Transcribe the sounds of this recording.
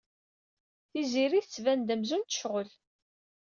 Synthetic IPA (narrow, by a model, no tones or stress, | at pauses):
θiziɾiθət͡sːvænd̪əmzunt̪ə̥ʃʁəl